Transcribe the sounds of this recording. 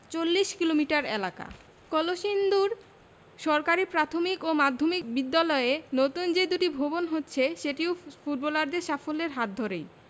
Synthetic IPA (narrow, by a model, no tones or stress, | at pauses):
t͡ɕolːiʃkilomiʈaɾelaka̰ | kɔloʃind̪uɾ | ʃɔɾkaɾipɾat̪ʰomikomad̪ʱːomikbid̪ːalɔeenot̪und͡ʑed̪uʈibʱobonɦotːɕʰeʃeʈiwfuɖ̚bɔlaɾd̪eʃafoleɾɦat̪̚d̪ʱoɾej